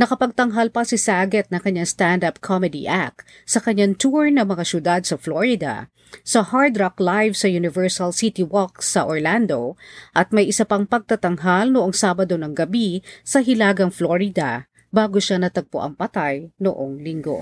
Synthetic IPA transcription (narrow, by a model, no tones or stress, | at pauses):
nɐkɐpɐɡ̚t̪ɐŋɦalpɐsɪsaːɡɛt̪̚nɐŋkɐɲːaŋst̪and̪ap̚kʰomɛd̪ḭʔak̪̚ | sɐkɐɲːaŋt̪uɹnɐmɐŋasjʊd̪ad̪̚sɐfloɹɪd̪ɐ̰ | sɐhaɹd̪ɾɐklajvsɐjʊnɪvɛɹsɐlsit̪iwɔk̚sɐʔoɹland̪o̞ʔɐt̪̚mɐjʔɪsɐpaŋpɐɡ̚t̪ɐt̪ɐŋɦalnoʔoŋsaːbɐd̪o̞nɐŋɡɐbisɐɦɪlaːɡɐŋfloɹɪd̪ɐ | baːɡoʃanɐt̪ɐɡ̚poʔɐ̰ŋpɐt̪ajno̰ʔoŋlɪŋɡo̞̰